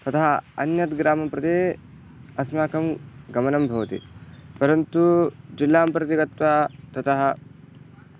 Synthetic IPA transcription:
t̪ɐt̪ɐɦɐɐ̰njɐt̪ɡɾaːmɐpɾɐd̪eː | ɐsmaːkɐmɡɐmɐnɐmbʱɐʋɐt̪ḭpɐɾɐnt̪ud͡ʒilːaːmpɾɐt̪iɡɐt̪ʋaːt̪ɐt̪ɐɦɐ

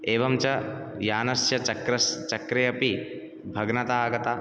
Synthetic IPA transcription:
eːʋɐmt͡ʃɐjaːnɐsjɐt͡ʃɐkɾɐst͡ʃɐkɾɐjɐpi | bʱɐɡnɐt̪aːɡɐt̪aː

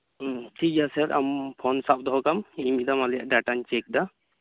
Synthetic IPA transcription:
ʈʰikasaɾa̰mpʰɔnsap̚d̪ɔɦɔkamimid̪amalija̰ʔɖaʈant͡ʃek̚d̪a

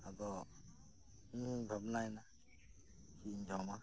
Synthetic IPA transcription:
adɔ | bʱabnaɛna | kʰind͡ʒawma

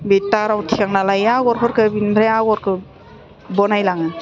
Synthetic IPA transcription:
betaɾawtʰikaŋnalajaɡɔɾkʰɔɾkɯbinbɾajaɡɔɾkʰɯ | bɔnajlaŋɯ

